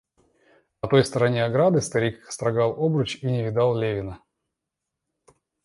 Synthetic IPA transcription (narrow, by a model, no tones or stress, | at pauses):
nɐt̪o̞jst̪əɾɐnʲeɐɡɾad̪ɨst̪ɐɾʲikst̪ɾɐɡalˠobɾʊt͡ɕinʲɪvʲɪd̪alˠlʲevʲɪnə